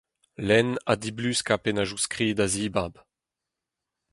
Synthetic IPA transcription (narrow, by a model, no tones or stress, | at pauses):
lɛna̰d̪iblyskapenaʒuskʁiːd̪aziːbab